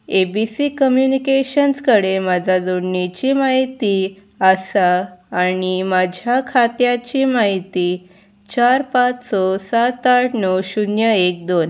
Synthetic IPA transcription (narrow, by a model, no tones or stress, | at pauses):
ebisikəmjunikeɕənskəɽemad͡zʱad͡zoɽnit͡ɕimaɦit̪i | asaːɽ̃imad͡ʑʱjakʰat̪jat͡ɕimaɦit̪i | t͡ɕaɾpat͡ssɔsat̪ːaʈnɔwɕunjəek̚d̪on